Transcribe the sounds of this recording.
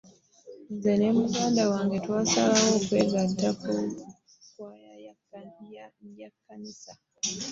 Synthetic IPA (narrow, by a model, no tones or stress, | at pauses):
zɛnɛm̩ɡandawaŋɡɛtwasaawɔkɛɡatapɔ | kwaja | jakʰanisa